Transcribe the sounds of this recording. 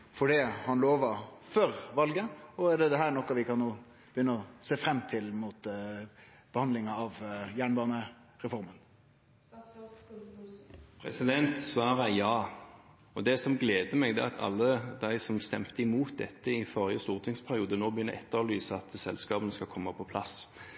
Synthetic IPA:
fɔɖiːhɑnloːʋɑɾfœɾʋɑlɡəɔæɖɛd̪ɛɦæːɾɳɔkːɑʋɪkʰɑnnoː | b̥əjʏnːəɔseːfɾɛmːt̪ʰɪlmuːt̪ | b̥əhɑnd̪lɪŋɑɑʋjæːɳbɑːnəɾɛfɔɾmən | pʰɾɛ̰sɪd̪ɛnt̪sʋɑːɾəjɑː | ɔd̪ɛsɔmɡleːd̪əmɛɡd̪ɛ̰ːɑt̪ʰɑ̰lːəd̪æɪsɔmst̪ɛmt̪əɪmuːt̪̚d̪ɛ̰t̪ːəɪfɔʁɪəst̪uːʁt̪ʰɪŋspʰæʁɪuːd̪ənoːbəjʏnːəɾɛt̪ːəlyːsəɑt̪sɛ̰lskɑːbənəskɑkʰɔmːəpʰɔpʰlɑs

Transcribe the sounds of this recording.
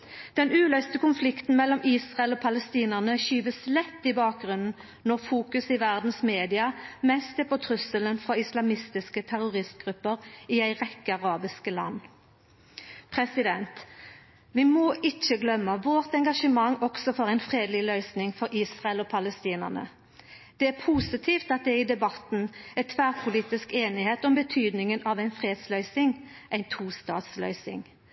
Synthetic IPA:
d̪̥ɛnʉːlœʏst̪əkʊnflɪkt̪n̩mɛlːɔmʔiːsʁɑɛlɔːpʰɑləst̪iːnəʁnəɕyːʋəslɛt̪ːɪbɑːk̚ɡʁʉnn̩ | nɔʁfuːkʉsɪʋæʁd̪n̩smeːd̪ɪɑmɛst̪ɛpʰɔt̪ʰʁʉsələnfʁɔɪslɑmɪst̪ɪskət̪ʰæʁʊʁɪst̪̚ɡʁʉpːəʁɪæɪʁɛkːəɑʁɑːbɪskəlɑ̰nː | pʰʁɛsɪd̪ɛnt̪ | ʋɪmoːʔɪt͡ʃːəɡlœmːəʋoːʁt̪ɛŋɡɑʂəmɑŋːɔksɔfoːʁæɪnfʁeːd̪lɪlœʏsnɪŋfɔʁiːsʁɑɛlɔːpʰɑləst̪iːnə̰ʁnə̰ | d̪̥ɛæːʁpʰuːsɪt̪ʰiːft̪ɑt̪̚d̪ɛæɪd̪ɛbɑt̪n̩æt̪ʰʋæʁpʰʊliːt̪ɪskeːnɪheːt̪ɔmbət̪ʰyːd̪nɪŋənʔɑʋæɪnfʁeːd̪slœʏsɪŋ | ʔæɪnt̪ʰuːst̪ɑ̰ːt̪slœ̰ʏsɪ̰ŋ

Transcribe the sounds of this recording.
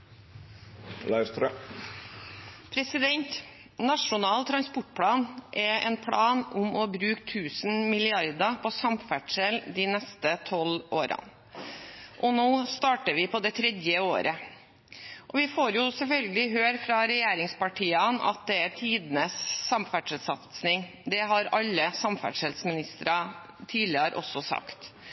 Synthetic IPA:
lɑst̪ɾ | pʰɾɛsɪd̪ɛnt̪ | nɑʂʊnɑːlt̪ʰɾɑnspʊʈ̚ːpʰlɑːnʔɛɛ̰npʰɽɑːnʊmɔbɾʉːk̚t̪ʰʉːsn̩mɪlɪɑɾd̪ɑpʰɔsɑmfæʈʂɛld̪ɪːnɛst̪ət̪ʰɔlʔoːɾɑ̰n | ʔɔnoːst̪ɑːʈəʋɪpɔd̪ɛt̪ʰɾɛd̪jəo̰ːɾə | ʔɔʋɪfoːɾjʊsɛlfœlɡəlɪɦøːɾfɾɑɾɛjeːɾɪŋspɑʈʰiːɑnɑ̰t̪̚d̪ɛæɾt̪ʰiːd̪nəsːɑmfæʈʂəlsɑt̪snɪŋ | d̪ɛɦɑɾɑlːəsɑmfæ̰ʈʂɛlsmɪnɪst̪ɾɑ | t̪ʰiːlɪəɾʔɔ̰sːɔsɑ̰kt̪

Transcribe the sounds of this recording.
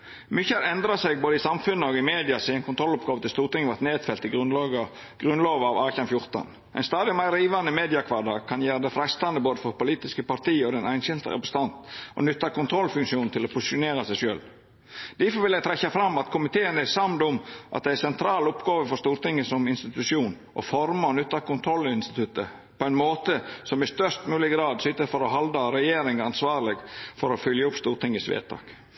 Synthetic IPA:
mʏçəhæɾɛnd̪ɾɑsɛɪɡ̚boːd̪əɪsɑmfʉnːəɔɡɪmeːd̪ɪɑsɪːɛnkʊnt̪ʰɾɔlʊpɡɑːʋət̪ɪst̪uːɾt̪ɪŋːəʋæɾt̪neːt̪fɛlt̪ɪɡɾʁʉnlɑɡɑ | ɡ̥ɾʉnloːʋɑʋɑːçɑnfjʊɾt̪ɑ̰n | ʔæ̰ɪnst̪ɑːd̪ɪmæɪɾːiːʋɑnəmeːd̪ɪɑkʰʋɑːɖɑkʰɑnjæːɾəd̪ɛfɾɛst̪ɑnd̪əboːd̪əfɔɾpʊliːt̪ɪskəpɑɾt̪iːɔd̪ɛnæɪnɕɪlt̪ə̰ɛpɾɛst̪ɑnt̪ʔɔ̰nʏt̪ːɑkʊnt̪ʰɾɔlfʉŋʃuːnnt̪ʰɪlɔpʰʊsɪʂʊneːɾɑsæɪʂø̰ːl | d̪̥æfɔʋɪljæɪt̪ʰɾɛçːɑfɾɑmːɑt̪kʰʊmɪt̪ʰeːənæsɑmd̪ʊmʔɑt̪d̪ɛæsɛnt̪ʰɾɑːlʊpɡɑːʋəfɔɾst̪uːɾt̪ɪŋːəsɔmɪnst̪ɪt̪ʉʂɪuːn | ʔɔ̰fɔɾmɑɔnʉt̪ːɑkʰʊnt̪ʰɾɔlːɪɪnst̪ɪ̥t̪ʰʉt̪ːə | pɔæɪnmoːt̪əsɔmɪst̪œʂt̪mʉːlɪɡɾɑːd̪sʏt̪ːəɾfɔɾɔɦɑld̪ɑɾɛjeːɾɪŋɑnsʋɑːɾlɪɡfɔɾɔfʏljəʊpst̪uːɾʈ̪ɪŋːəsʋḛːd̪̚t̪ʰɑ̰ːk

